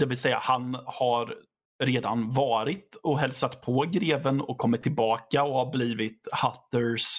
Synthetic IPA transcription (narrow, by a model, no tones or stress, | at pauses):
d̪ɛvɪlsɛjːa̰hanhaɾ | ɾeːd̪a̰nvɑːɾɪt̪ɔɦɛlsat̪pʰɔːɡɾeːvənɔ̰kʰːɔmːɪt̪ʰːɪlbɑːkaɔhaɾbliːvɪt̪hat̪ːəɾs